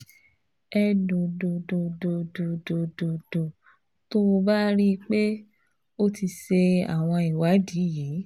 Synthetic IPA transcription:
ɛ˧do˨do˨do˨do˨do˨do˨do˨do˨ | to˦˧ba˦ɾi˦k͡pe˦ | o˦ti˧ʃe˧a̰˨w̃ɔ̃˧i˨wa˨˦di˨˦je˨˦

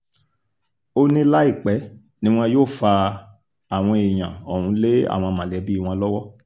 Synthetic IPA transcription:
o˦nĩ˦la˦i˦˨k͡pɛ˨˦ | nĩ˦w̃ɔ̃˦joː˦˨fa˧ | a˨w̃ɔ̃˧e˨j̃ã̰˨ɔ˨hũ˨˧˦le˦a̰˦˨w̃ɔ̃˧mã˨lɛ˨˦bi˦˨w̃ɔ̃˧lɔ˦wɔ˦

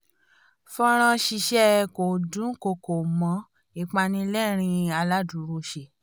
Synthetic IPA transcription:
fɔ̃˧ɾ̃ɔ̃˧ʃi˧ʃɛ˦˧ko˨dũ˨˦ko˧ko˨mɔ̃˨˧˦ | i˧˨k͡pa˧nĩ˧lɛ˦ɾ̃ĩ˧a˧la˦du˨˦ɾu˧˦ʃe˧˨

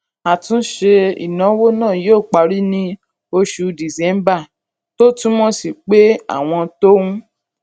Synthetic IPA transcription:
a˨tũ˨˦ʃe˧ḭ˨nã˨˦wo˦nãː˦˨joː˦˨k͡pa˨˧ɾi˦nĩ˧ | o˧ʃu˧di˨zɛ̃˨˦m˦ba˦˨ | to˦tũ˦mɔ̃˦si˦˨k͡pe˦a̰˦˨w̃ɔ̃˧to˦wũ˦

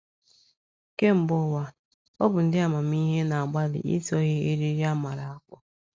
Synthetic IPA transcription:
ke˦m̩˨bʊ˦˨wa˦ | ɔ˦bʊ˨n̩˨dɪ˦a˨ma˨m˦i˦ɦe˦na˨a˨ɡ͡ba˦lɪ̰˨ḭ˦tɔ˦ɣe˦e˦ɾi˦ɾi˦a˦ma˨ɾa˨a˦kʷɔ˦

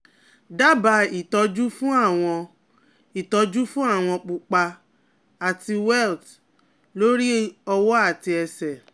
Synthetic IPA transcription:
da˦ba˧i˨tɔ˧d͡ʒu˦fũ˦a˦˨w̃ɔ̃˧ | i˨tɔ˧d͡ʒu˦fũ˦a˦˨w̃ɔ̃˧k͡pu˨k͡pa˧ | a˨ti˧wɛ˦˨lt | lo˦ɾi˦ɔ˧wɔ˦a˦˨ti˧ɛ˧sɛ˨

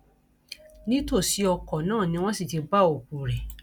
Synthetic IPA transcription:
nĩ˦to˦˨si˨˦ɔ˧kɔ˨nãː˦˨nĩ˧w̃ɔ̃˦si˦˨ti˧ba˦˨o˨k͡pu˨ɾɛ˨

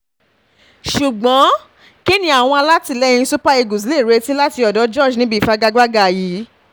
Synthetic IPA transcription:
ʃu˨ɡ͡bɔ̃˨˦ | ki˦nĩ˦a˦˨w̃ɔ̃˧a˧la˦ti˧˨lɛ˦˨ĩ˧su˦pa˦e˧ɡu˨s̬i˨˦le˦˨ɾe˦ti˦la˦ti˧ɔ˨dɔ˨˦d͡ʒɔ˦˨d͡ʒnĩ˦bi˦˨fa˧ɡa˦ɡ͡ba˦ɡa˦˨ji˨˦

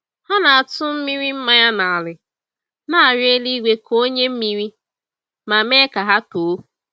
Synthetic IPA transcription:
ha˦na˨a˨tʊ˦m̩˦mi˦ɾi˦m̩˦ma˦ɲa˦na˨a˨lɪ˨ | na˦a˨ɾe˦li˦ɡʷe˦kʰo˦ɲe˦m̩˦mi˦ɾi˦ | ma˨me˦ka˨ɦa˦to˨˦

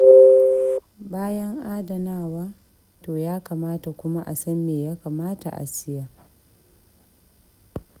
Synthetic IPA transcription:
baː˦jɐ˦ŋʔaː˦da˨naː˦˨waː˦ | toː˨jaː˦kaː˨maː˦ta˨kʷʊ˦ma˦ʔa̰˨sɐ˦nːeː˨jaː˦ka˨maː˦ta̰˨ʔa̰˨sɪ˦ja˨

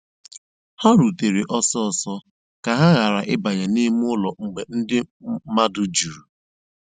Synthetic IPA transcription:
ha˦ɾu˨te˨ɾi˨ʔɔ˦sɔ˦ɔ˨sɔ˦ | ka˨ɦa˦ɣa˨ɾa˨ʔɪ˦ba˨ɲa˨ni˦m˦ʊ˦lɔ˨ŋ͡m̩˨ɡ͡be˨n̩˦dɪ˦ma˦dʊ˦d͡ʒu˨ɾu˨

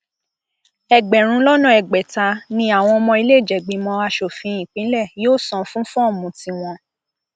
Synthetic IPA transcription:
ɛ˨ɡ͡bɛ˨ɾ̃ũ˨˦lɔ˦nɔ̃˦˨ɛ˨ɡ͡bɛ˨ta˧nĩ˧˦a˦˨w̃ɔ̃˧ɔ˧mɔ̃˧i˧le˦˨d͡ʒɛ˨ɡ͡bĩ˨˧˦mɔ̃˧a˧ʃo˨fĩ˨˧ĩ˨k͡pĩ˨˦lɛ˦˨joː˦˨sɔ̃˨fũ˦fɔ̃˦˨mũ˨ti˧w̃ɔ̃˧

